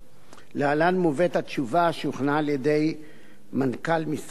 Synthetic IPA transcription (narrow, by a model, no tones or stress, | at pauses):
lealanmuvet̪at̪ʃuvaʃuχnaːljede̞j | mankalmis